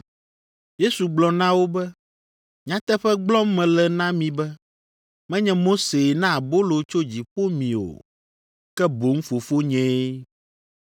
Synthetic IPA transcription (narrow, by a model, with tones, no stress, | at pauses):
je˦su˨ɡ͡blɔ˨nã˦wo˦bɛ˦ | ɲ˨ã˨˦t̪ɛ˦ɸɛ˦ɡ͡blɔ˦mɛ̃˨lɛ˨nã˦mĩ˨bɛ˦ | mɛ̃˦ɲɛ̃˦mo˦se˨nã˦˨bo˦lo˨t͡ʃo˦d͡ʑi˨ɸo˦mĩ˨o̰˨ | kɛ˦bo˨ŋ̩˦fo˨fo˦ɲɛ̃˨˦